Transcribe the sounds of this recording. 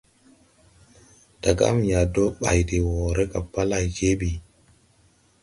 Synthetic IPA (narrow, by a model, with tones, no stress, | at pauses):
d̥a˨ɡa̰˦mja˨do˦ɓa̰˨jde˨wɔ˨ɾe˦ka˨pːa˦la˨jke˦ɓi˨